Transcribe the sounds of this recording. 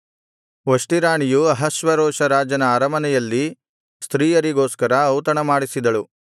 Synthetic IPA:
ʋɐʂʈiɾaːɳijuɐɦɐʃʋɐɾɔːʃɐɾaːd͡ʒɐnɐaːɾɐmɐnɛjɐlːi | st̪ɾiːjɐɾiɡoːskɐɾɐɐwt̪ɐɳɐmaːɽisid̪ɐɭu

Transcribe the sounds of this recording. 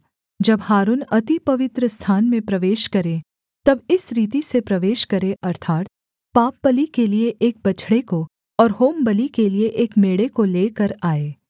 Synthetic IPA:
d͡ʒɐbhaːɾunɐt̪ipɐʋɪt̪ɾəst̪ʰaːnmẽpɾɐʋeːʃkɐɾẽ | t̪ɐbɪsɾiːt̪̬isepɾɐʋeːʃkɐɾẽʔɐɾt̪ʰaːt̪̚ | paːp̚bɐlikelieʔeːk̚bɐt͡ʃʰɽeko | ɔːɾɦoːmbɐlikelieʔeːkmeːɽekoleːkɐɾaːeː

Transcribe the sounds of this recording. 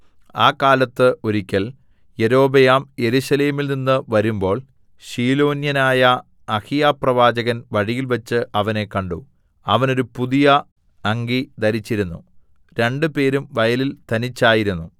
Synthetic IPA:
aːkaːlɐt̪ːɨoɾikʲːɐl | je̞ɾo̞ːbejaːmje̞ɾuɕɐle̞ːmilninːɨʋɐɾumbo̞ːɭ | ɕiːlo̞ːnjɐnaːjɐː | hijaːprɐʋaːd͡ʑɐɣɐnʋɐɻijilʋɐt͡ɕːɨʔɐʋɐne̞kɐɳɖu | ɐʋɐno̞ɾupuðijɐ | ɐŋɡid̪ɐɾit͡ɕːiɾunːṵ | ɾe̞ɳɖɨpe̞ːɾumʋɐjɐlilt̪ɐnit͡ɕːaːjiɾunːu

